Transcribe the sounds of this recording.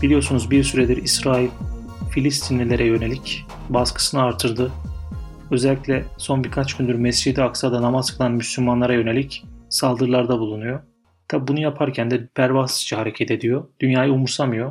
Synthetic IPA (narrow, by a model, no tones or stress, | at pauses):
b̥ilʲijo̞sunuzbiɾsyɾɛd̪iɾisɾaːilʲ | filʲist̪ʰinlʲilʲeɾʔɛjø̞ne̞lʲic | baskʰɯ̥sɯnɯaɾt̪ʰɯɾd̪ɯ | ø̞zɛlʲːicʲlʲɛso̞nbiɾkʰat͡ʃcʰynd̪yɾmɛsd͡ʒid̪iaksad̪anamazkɯlˠanmyslʲymːanlˠaɾajø̞ne̞lʲicsalˠd̪ɯɾlˠaɾd̪abulˠunujo̞ | t̪ʰabbunujapʰaɾcʰænd̪ɛpʰæɾvast͡ʃʰaɦaɾe̞cʰɛt̪ʰe̞d̪ijo̞d̪̥ynjaːjaumuɾsamɯjo